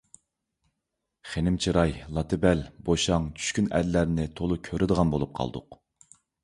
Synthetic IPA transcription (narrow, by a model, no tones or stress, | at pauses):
χenɪmt͡ʃʰiɾɑjlˠɑt̪ʰɪbɛlboʃɑŋt͡ʃʰy̥ʃkʲynæ̰d̪læɾnɪt̪ʰolˠukʲʰøɾʔɪd̪əʁɑnbolˠup̚qʰɑ̰lˠd̪ʊ̰q